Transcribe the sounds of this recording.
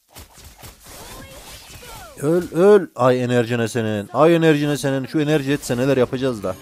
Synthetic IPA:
ølʲølʲajeneɾʒinɛseninajenæɾʒinɛseninʃuenæɾʒiɛt̪sɛnelʲæɾjapʰad͡ʒazd̪a

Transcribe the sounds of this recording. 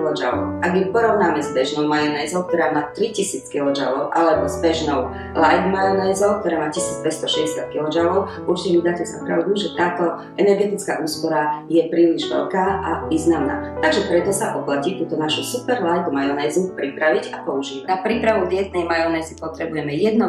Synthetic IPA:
lɔd͡ʒa̰lɔ̰ʊʔaɡjɛpɔɾɔʊnaːmɛzbɛʒnɔʊmajɔnɛːzɔʊk̚t̪ɔɾaːmaːt̪ɾicisiːt͡skilɔd͡ʒa̰lɔʊʔalɛbɔzbɛʒnɔʊ | lajd̪majɔnɛːzɔʊk̚t̪ɔɾaːmaːcisiːd͡zpɛcst̪ɔʃɛɟɛsɪat̪̚kilɔd͡ʒalɔʊʔuɾt͡ʃcɛmid̪aːcɛsapɾa̰ʊd̪uʒɛt̪aːt̪ɔ | ʔɛnɛɾɡɛt̪it͡ska̰ːʔuːspɔɾajɛpɾiːliʒʋɛ̰ʎkaːʔaʋiːznamna̰ːt̪aɡʒɛpɾɛt̪ɔsaʔɔplacit̪uːt̪ɔnaʃusupɛɾlajd̪majɔnɛːzupɾipɾaʋiɟapɔuʒiːʋanapɾipɾaʋud̪ɪɛt̪nɛjmajɔnɛːzipɔt̪ɾɛbujɛmɛjɛd̪nɔ

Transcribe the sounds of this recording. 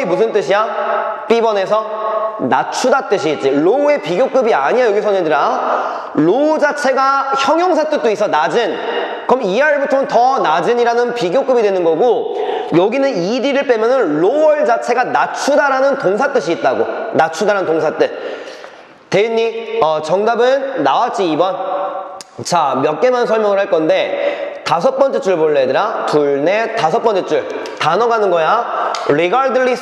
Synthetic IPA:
imus̬ʰɯnt͈ɯɕʰiap͈ibʌne̞s̬ʰʌ | nat͡ɕʰudat͈ɯɕ̬ʰiːt̚t͡ɕ͈iɭoue̞piɡjok͈ɯbiaɲijajʌɡisʰʌnɯndɯɾa | ɭoud͡ʑat͡ɕʰe̞ɡaçjʌŋjʌŋs̬ʰat͈ɯt͈ois͈ʌnad͡ʑɯn | kɯɾʌmiaɭbutʰoŋɯntʌnad͡ʑɯɲiɾanɯnpiɡjok͈ɯbidwe̞nɯnɡʌɡojʌɡinɯniɾiɾɯɭp͈emjʌnɯnɭoʌɭd͡ʑat͡ɕʰe̞ɡanat͡ɕʰudaɾanɯntoŋsʰat͈ɯɕʰiːt̚t͈aɡonat͡ɕʰudaɾanɯntoŋsʰat͈ɯ | teɲːiʌt͡ɕʌŋdabɯnːawat͡ɕ͈iːbʌn | t͡ɕamjʌk͈̚e̞mans̬ʰʌɭmjʌŋɯɭɦaɭk͈ʌnde̞tas̬ʰʌp͈ʌnt͡ɕ͈et͡ɕ͈uɭpoɭːedɯɾatuɭne̞tasʰʌp͈ʌnt͡ɕ͈et͡ɕ͈uɭ | tanʌɡanɯnɡʌjaɾeɡaɭdɯɭːi

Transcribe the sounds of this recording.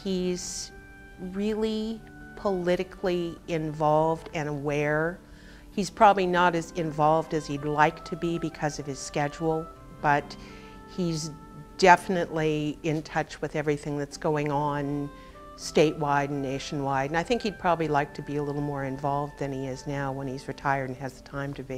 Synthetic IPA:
hiz̥ | ɹɪlˠi | pʰəlɪɾɨkʰliɪ̃ɱvɑlˠvdɨ̃nəwɛɹ | iz̥pʰɹ̥ɑbəblinəɾɨzɨ̃ɱvɑlˠvdɨz̥idˡlaɪk̚tʰɨbibɨkʰʌzʌv̥ɨz̥skɛd͡ʒul̩ˠ | b̥ʌt̚ | hiz | d̥ɛfənɨʔliɪ̃ntʰʌt͡ʃwɨðɛvɹiθɪ̃ŋðɨtsɡ̥oʊɪ̃ŋə̃n | steɪʔwaɪɾn̩ːeɪʃn̩waɪɾɨ̃naɪθɪ̃ŋkhid̚pʰɹ̥ɑbəblilaɪk̚tʰɨbiɨlɪɾl̩ˠmɔɹɨ̃ɱvɑlˠvðɨ̃niɪznaʊwə̃nizɹɨtʰaɪə˞d̃n̩ɨzðɨtʰãɪ̃mtʰɨbi

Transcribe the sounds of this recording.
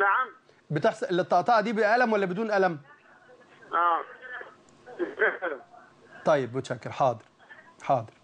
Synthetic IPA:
naʕam | bet̪eħslːet̪ːɑʔt̪ˤɑːʕd̪iːbeʔælæmwælːæbed̪uːnʔælæm | ʔæː | æʔælæm | t̪ˤːɑjːebmʊt̪ʃækːeɾħɑːd̪ˤɨɾ | ħɑːd̪ˤɨɾ

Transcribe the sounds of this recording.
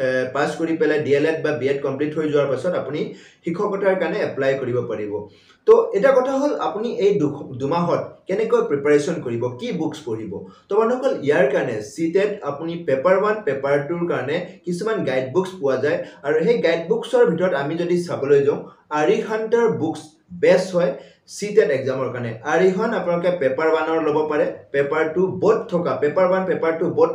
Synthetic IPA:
paskoɹipɛlajdielɛt̚babiɛtkɔmplitɦojzʊwaɹpasɔtapuni | xikʰɔkɔtaɹkaɹnɛɛplajkoɹibɔpaɹibɔ | tɔɛtakɔtʰaɦola̰puniʔejdʰdumaɦɔt̚kɛnɛkojpɹepaɹesɔnkoɹibɔkibukspoɹibɔ̰tɔmanukɔlijaɹkaɹɔnɛsitɛtapunipɛpaɹmanpɛpaɹtuɹkaɹɔnɛkisumanɡajd̚bukspʊwazajaɹuɦejɡajd̚buksɔɹbʱitɔɹɔtamizodisabɔlojzãʊ̃aɹiɦantɔɹbuks | bɛshɔj | sitɛtɛkzamɔɹkaɹnɛaɹiɦɔnapʊnalɔkɛpɛpaɹbanɔɹlobɔpaɹɛpɛpaɹtʊbɔt̚tʰːɔkapɛpaɹbanpɛpaɹtʊbɔt

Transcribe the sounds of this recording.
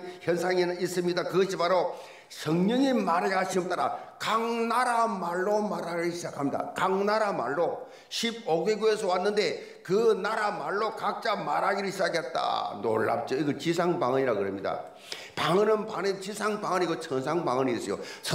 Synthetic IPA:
çjʌnsʰaŋiis͈ɯmɲidakɯɡʌɕʰipaɾo | sʰʌŋɲʌŋimaɾaɕʰinɯmt͈aɾakaŋnaɾamaɭːomaɾaɡiɯɭɕʰid͡ʑakʰamɲida̰kaŋnaɾamaɭːo | ɕʰib̚oɡeɡuesʰʌwanːɯnde̞ | kɯnaɾamaɭːokak̚t͡ɕ͈amaɾaɡiɾɯɭɕʰid͡ʑakʰet̚t͈a̰no̰ɭːa̰p̚t͡ɕ͈oiɡɯt͡ɕisʰaŋpaŋɯɲiɾakɯɾemɲida̰ | paŋɯnɯnpanent͡ɕisʰaŋpaŋʌniɡot͡ɕʰʌnsʰaŋpaŋɯniːs͈ʌjo̰sʰ

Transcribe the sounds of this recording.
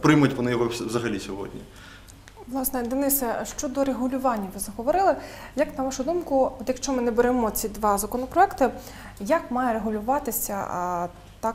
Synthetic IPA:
pɾɪmɐjtʲʋɔnɪjɔɦɔʋzɐɦɐlʲisʲɔɦɔ̰dʲnʲḭ | ʋlˠɑsnɛd̪ɪnɪsɐʃt͡ʃɔd̪ɔɾeɦʊlʲʊʋɑnʲːɐʋɪzɐɦɔʋɔɾɪlˠɪjɐknɐʋɑʃʊd̪umkʊɔt̪jɐkʃt͡ʃɔmɪnɛbeɾɛmɔt͡sʲid̪ʋɑzɐkɔnɔpɾɔɛkt̪ɪ | jakmɑjɛɾeɦʊlʲʊʋɑt̪ɪsʲɐ | t̪ɑ

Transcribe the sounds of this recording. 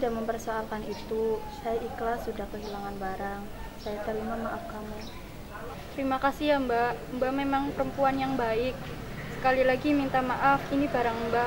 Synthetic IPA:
t̪idaʔməmpərsoalkanit̪usajaʔiklasudahkəɦilaŋanbaɾaŋ | sajat̪əɾimamaʔafkamu | t̪əɾimakasiambambamemaŋpəɾəmpuanjaŋbaɪk̚ | sə̥kalilaɡimint̪amaʔafinibaɾaŋmba

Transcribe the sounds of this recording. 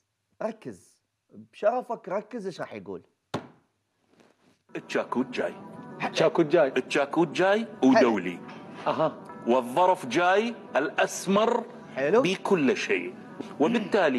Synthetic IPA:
ɾˤɑkːəz | bʃɑɾˤɑfakɾˤɑkːəzɪʃɣˤɑːħjɡṵːl | ʔɪt̪ːt͡ʃːaːkuːt̪̚d͡ʒa̰ːjt͡ʃːaːkuːt̪̚d͡ʒaːjʔɪt̪ːt͡ʃːaːkuːt̪̚d͡ʒaːjwd̪awlḭʔaɦawɨðˤːɑɾˤfd͡ʒaːjʔɪlʔasmɑɾˤ | lbikʰʊlːʃḛː | wɪbɪt̪ːaːli

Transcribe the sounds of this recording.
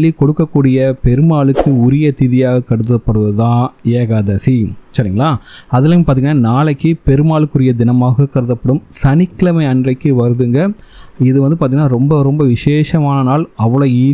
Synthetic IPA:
lːikɔɽɯkːɐkːuːɽɪjɐpɛɾɯmaːɭɯkːɯʊɾɪjɐt̪ɪðɪjaːɣɐkɐɽɯt̪̬ːɐpːɐɽɯʋɐðãːeːɣaðɐsisɐɾiːŋɡɐɭaːɐðɯlɐmpaɾt̪iŋɡɐnːaːnaːɭɐkːɯpɛɾɯmaːɭɯkːɯɾɪjɐd̪ɪnɐmaːɣɐkɐɽɯðɐpːɐɽɯmsɐnɪkːlɐmɐɪɐndrɐɪkːɯʋɐɾɯðɯŋɡɐɪðɯʋɐnd̪ɯpaːɾt̪iŋɡɐnːaːɾɔmbɐɾɔmbɐʋɪʂeːʂɐmaːnɐnaːlɐʋːɐɭoːiː

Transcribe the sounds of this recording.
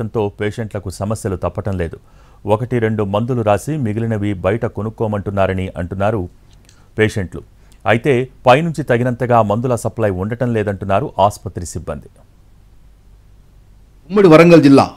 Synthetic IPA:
ɐnt̪o̞ːpeːʂɐɳʈlɐkusɐmɐsjɐlut̪ɐpːɐʈɐmle̞ːd̪u | ɔkɐʈiɾe̞ɳɖumɐnd̪uluɾaːsimiɡilinɐʋibɐjɐʈɐko̞nukːoːmɐɳʈunːaːɾɐniʔɐɳʈunːaːɾu | peːʂeɳʈlṵ | ɐjit̪e̞ːpɐjnuɲt͡ʃit̪ɐɡinɐnt̪ɐɡaːmɐnd̪ulɐsɐplɐjuɳɖɐʈɐmlɛːd̪ɐɳʈunːaːɾuʔaːspɐt̪ɾisibːɐnd̪i | umːiɽiʋɐɾɐŋɡɐld͡ʒilːa̰ː

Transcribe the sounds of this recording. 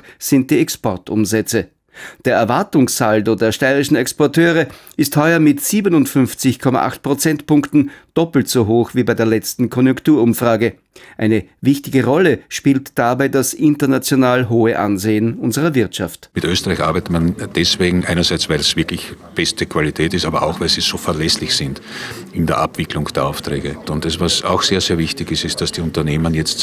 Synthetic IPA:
z̥ɪnt̚d̥iːɛkspɔɐtʊ̰mzɛt͡sə | d̥eːɐɛɐvaɐtʊŋssaldodeːɐʃtaɪʁɪʃn̩ɛkspɔɐtʰøːʁə | ɪsthɔʏɐmɪtz̥iːbənʊntfʏnft͡sɪçkʰɔma̰ʔa̰χt̚pʁ̥ot͡sɛntpʊŋktn̩d̥ɔpl̩tz̥oɦoːxv̥iːbaɪdeːɐlɛt͡stn̩kʰɔnjʊŋktuːɐʊmfʁ̥aːɡə | ʔaɪnəvɪçtɪɡəʁɔləʃpiːltd̥abaɪdasʔɪntɐnat͡sjonaːlɦoːəʔa̰nzeːənʊnzəʁɐvɪɐtʃaftmɪtøːstəʁaɪçʔaɐbæɪtətmand̥ɛsv̥eːɡŋ̩ʔæɪnɐzæɪt͡svæɪlsv̥ɪɐklɪç | b̥ɛstəkʰv̥alitʰɛːtɪstaːbɐʔaʊxvæɪlsiːz̥oːfɛɐlɛslɪçsɪndɪndeːɐʔapv̥ɪklʊŋd̥eːɐaʊftʁɛːɡəʊntɛsvasa̰ʊxseːɐzeːɐvɪçtɪçɪstɪst̚d̥asd̥iʊ̃ntɐneːmənjɛt͡st

